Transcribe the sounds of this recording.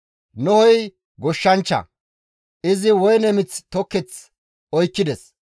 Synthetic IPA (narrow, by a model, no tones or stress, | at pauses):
nɔhɔj | ɡɔʃːɐnt͡ʃːɐ̰ | ʔɪzɪwɔjnɛmɪt͡st̪ɔkːɛt͡s | ɔjkːɪd̪ɛs